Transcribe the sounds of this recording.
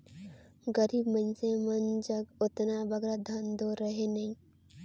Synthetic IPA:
ɡəɾiːbmənsemɐnd͡ʒɐɡʊt̪nabɐɡɾad̪ʱɐnd̪oɾəɦenɐɦĩː

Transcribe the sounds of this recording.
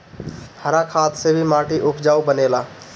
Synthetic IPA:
həɾakʰat̪sebʱimaʈiʔupd͡ʒaubənela

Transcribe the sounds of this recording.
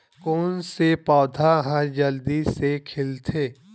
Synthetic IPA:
koːnsepɔːd̪ʱaɦad͡ʒəld̪isekʰɪlt̪ʰeː

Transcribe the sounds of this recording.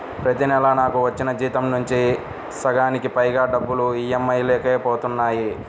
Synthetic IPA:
pɾɐt̪inɛlɐnaːkuʋɐt͡ʃːinɐd͡ʒiːt̪ɐmnuɲt͡ʃi | sɐɡaːnikipɐjɡaːɖɐbːuluiːemːɐjleːkeːpɔːt̪unːaːji

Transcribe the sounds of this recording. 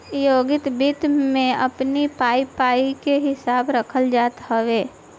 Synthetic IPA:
joːɡɪt̪bɪt̪mẽəpnipaːipaːikeɦɪsaːbɾəkʰəld͡ʒaːt̪ɦəʋeː

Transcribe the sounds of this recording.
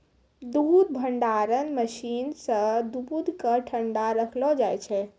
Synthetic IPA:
d̪uːd̪bʱəɳɖaɾənməʃinsə̃d̪ubud̪ʱkəʈʰəɳɖaɾəkʰlɔd͡ʒajt͡ʃʰɛ

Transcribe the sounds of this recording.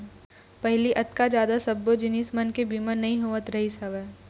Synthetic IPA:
pɛɦliʔɐt̪kad͡ʒjaːd̪asɐbːod͡ʒɪniːsmɐnkebiːmənɐɦĩɦoːʋət̪ɾɐɦisɐʋɛː

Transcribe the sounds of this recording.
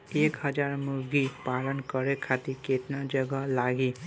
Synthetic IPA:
ekɦʌd͡ʒaɾmuɾɡipalənkʌɾekʰat̪iket̪nad͡ʒʌɡalaɡi

